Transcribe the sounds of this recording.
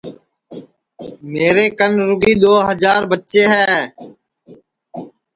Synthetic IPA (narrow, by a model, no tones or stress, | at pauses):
meːɾeːkənɾʊɡiːɗ̪oːɦəd͡ʒaːɾbətːt͡ʃeːɦɛː